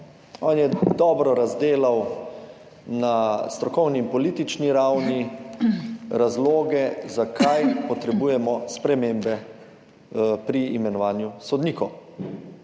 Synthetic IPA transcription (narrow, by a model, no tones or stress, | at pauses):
ɔːnjɛd̪ɔːbɾɔɾazd̪eːlaw | nast̪ɾɔkɔwniːmpɔliːt̪it͡ʃniɾawni | ɾazloːɡɛzakʰajpɔt̪ɾɛbuːjɛmɔspɾɛmembɛ | pɾiːmɛnɔʋaːnjusɔd̪niːkɔw